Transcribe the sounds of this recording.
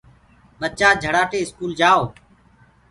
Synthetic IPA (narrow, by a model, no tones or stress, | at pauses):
ɓət͡ʃaːd͡ʒʱəɽaːʈeːɪskuːld͡ʒaːoː